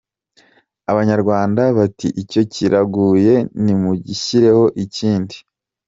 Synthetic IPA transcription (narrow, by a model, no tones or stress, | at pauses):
aβaɲaɾɡwaːndaβatḭʔico̞ciɾʔaɡuːje̞nimuɟiçiɾe̞ho̞ʔiciːndi